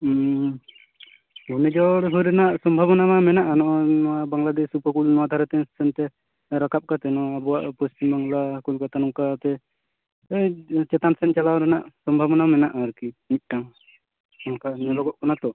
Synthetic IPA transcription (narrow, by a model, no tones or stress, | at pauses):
unɛd͡ʒɔɽɦɔɾɛnaʔsɔmbʱabɔnamamɛnaʔanɔʔɔnɔwabaŋlad̪ɛsupəkulnɔwad̪ʱaɾat̪ɛsɛnt̪ɛ | ɾakap̚kat̪ɛnɔwabɔwaʔpɔst̪imbaŋlakulkat̪anɔmkat̪ɛ | et͡ʃɛt̪ansɛnt͡ʃalawɾɛnaʔsɔmbʱabɔnamɛnaʔaɾkinic̪̚ˀʈaŋ | ɔnkaɲɛlɔɡɔʔkɔnat̪ɔ